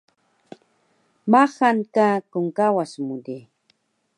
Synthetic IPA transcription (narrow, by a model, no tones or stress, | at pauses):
maxankakʊŋkawasmʊd̪i